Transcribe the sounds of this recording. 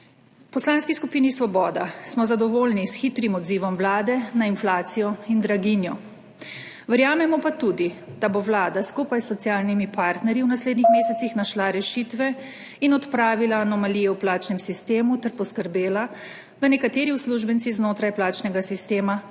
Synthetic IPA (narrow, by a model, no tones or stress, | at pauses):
pɔslaːnskiskupiːnisʋɔbɔːd̪asmɔzad̪ɔʋoːlnisxit̪ɾimɔd̪ziːʋɔmʋlaːd̪ɛnainflaːt̪sijɔind̪ɾaɡinjɔ | ʋɛɾjaːmɛmɔpat̪ud̪id̪̥aboʋlaːd̪askupajsːɔt̪sijaːlnimipaːɾt̪nɛɾjiwnasleːd̪nixmeːsɛt̪sixnaʃlaɾɛʃiːt̪ʋɛ | inɔt̪pɾaːʋilaːnɔmalijɛwplaːt͡ʃnɛmsist̪eːmut̪ɛɾpɔskəɾbeːla | d̪̥anɛkat̪eːɾiusluʒbɛnt̪siznoːt̪ɾajplaːt͡ʃnɛɡasist̪eːma